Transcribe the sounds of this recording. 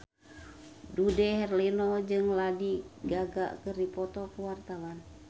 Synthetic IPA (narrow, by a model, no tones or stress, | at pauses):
dudɛɦɛrlinɔd͡ʒɨŋladiɡaɡa̰kərdipɔt̪ɔkəwart̪awan